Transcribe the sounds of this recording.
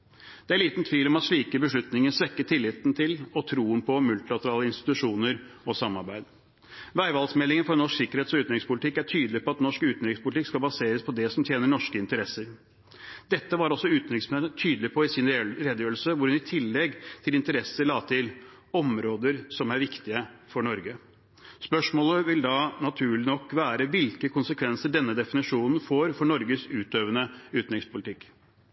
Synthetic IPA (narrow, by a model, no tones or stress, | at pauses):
d̪̥ɛæɾɭiːt̪nt̪ʰʋiːlɔmɑt̪ʂɭiːkəbəʂɭʉt̪nɪŋənsʋɛkːət̪ʰɪlːɪt̪nt̪ʰɪlɔt̪ʰɾuːənpʰɔmʉlt̪ɪlɑt̪əɾɑːləɪnst̪ɪ̥t̪ʉʂuːnəɾɔsɑmːɑɾbæɪd̪ | ʋæɪʋɑlsmɛlːɪŋənfɔɾnɔʂksɪkːəɾheːt̪sɔʉːt̪nɾɪŋspʰʊlɪt̪ʰɪkːæʈʰyːd̪l̩ɪpʰɔɑt̪nɔʂkʉːt̪n̩ɾɪkspʰʊlt̪ɪkskɑlbɑseːɾəspʰɔd̪ɛsɔmt̪ʰjeːnəɳɔʂkəɪnt̪əɾɛsːəɾ | d̪̥ɛt̪ːəʋɑɾɔsːɔʉːt̪n̩ɾɪsmt̪ʰyːd̪əlɪpʰɔɪsɪnɾeːd̪əjøːɾlsəʋʊɾhʉnɪt̪ʰɪlːɛɡt̪ʰɪlɪnt̪əɾɛsəɭɑːt̪ʰɪl | ɔmɾoːd̪əɾsɔmæɾʋɪkt̪ɪəfɔɳɔɾɡə | spœʂmoːləʋɪld̪ɑnɑt̪ʰʉːɭɪnɔkːʋæːɾəʋɪlkəkʰʊnsəkʰʋɛnsəɖɛnːəd̪ɛfɪnɪʂuːnn̩foːɾfɔɳɔɾɡəsʉːt̪øːʋənəʉːt̪n̩ɾɪkspʰʊlɪt̪ɪkː